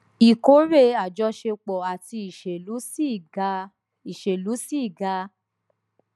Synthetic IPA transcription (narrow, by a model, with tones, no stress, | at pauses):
i˨ko˦ɾe˦˨a˨d͡ʒɔ˧˦ʃe˧k͡pɔ˨a˨ti˧i˨ʃe˨u˨˦˨ | i˨ʃe˨lu˨˦si˦i˦˨ɡa˧˦